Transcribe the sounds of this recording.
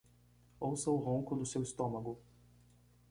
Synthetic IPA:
owsɐʊɦõŋkʊd̪ʊsewɪst̪õmɐɡʊ

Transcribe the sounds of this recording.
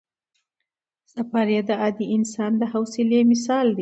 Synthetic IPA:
safɑɾjad̪əɑd̪iʔɪnsɑnd̪əɦawsɪlemɪsɑld̪i

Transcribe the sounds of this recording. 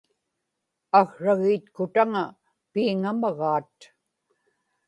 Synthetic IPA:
aɣɻaɣiːt̪kʊt̪aŋa | piːŋamaɣaːt̪

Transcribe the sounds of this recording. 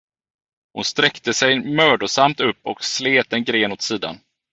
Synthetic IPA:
hʊnst̪ɾɛkt̪əsɛjmœːɖʊsamt̪ɵpːɔksleːt̪̚ɛnɡɾeːnɔt̪siːd̪a̰n

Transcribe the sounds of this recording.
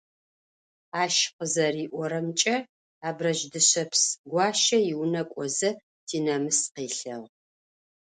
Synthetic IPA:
aːʃqəzɐriːʔʷɔɾɐmt͡ʃʼɐ | aːbrɐʒdɨɕɐpsɡʷɑːʃɐjɪwnɐkʷʼɔzɐ | tʰiːnɐmɨsqeːɬɐʁ

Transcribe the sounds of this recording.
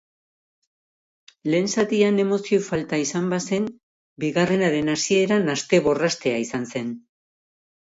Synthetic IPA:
le̞ːnsat̪iane̞mo̞siofalt̪aisambase̞m | biɣare̞naɾe̞nasie̞ɾanast̪e̞βo̞rast̪e̞aisanse̞n

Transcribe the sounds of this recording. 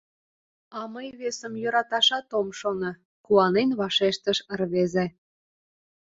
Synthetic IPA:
ɑməjβesəmjøɾɑt̪ɑʃɑt̪omʃonɤ̆ | kuɑnenβɑʃeʃt̪əʃərβeze

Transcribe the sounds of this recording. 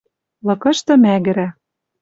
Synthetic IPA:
lɤ̆kɤ̆ʃt̪ɤ̆mæɣɘ̆ɾæ

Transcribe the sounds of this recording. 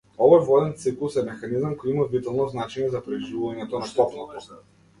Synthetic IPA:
ɔvɔjvɔd̪ɛnt̪siklˠusɛmɛxanizamkɔjimavit̪ɛlˠnɔznat͡ʃɛɲɛzapɾɛʒivuvaɲɛt̪ɔnast̪ɔpnɔt̪ɔ

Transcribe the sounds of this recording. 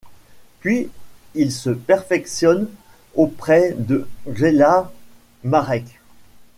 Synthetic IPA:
pɥiilsəpɛʁfɛksjɔn | opχɛd̪əʒela | maʁɛk

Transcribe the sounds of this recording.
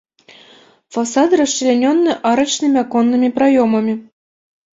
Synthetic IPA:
fasɑt̪rɤ̆ʂːilʲenʲonːɤ̆ʔɑɾɤ̆t͡ɕnɨmʲakonːɨmʲeprajomɤ̆mʲe

